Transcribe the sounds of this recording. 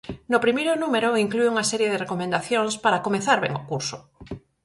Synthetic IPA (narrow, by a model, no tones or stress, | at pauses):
nopɾimejɾʊnumeɾoiŋklueuŋasɛɾjeðerekomẽnd̪aθjoŋspaɾakomeθaɾβḛŋokuɾsʊ